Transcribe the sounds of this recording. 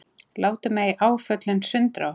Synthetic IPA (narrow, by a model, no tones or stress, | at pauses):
laːwt̪ʏmɛɣiʔaːwfœt̪lɪnsʏnt̪ɾa